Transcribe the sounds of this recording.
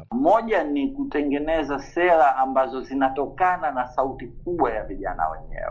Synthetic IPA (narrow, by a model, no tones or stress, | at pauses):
mɔʄanikutɛŋɡɛnɛzasɛɾaʔambazɔzinatɔkananasautik̚uɓwajaviʄa̰na̰wɛ̰ɲɛ̰wɛ